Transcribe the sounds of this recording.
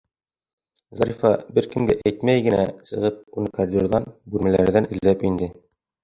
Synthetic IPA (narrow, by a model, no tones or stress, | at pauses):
zɑɾʲifɑbɘɾkɘ̆mɡæʔæjt̪mæjɡɘ̆næsɤ̆ʁɤp̚unɤkɑɾd̪ʲoɾðɑnbʉɾmælæ̰ɾðænʔɘ̆lːæpind̪ɘ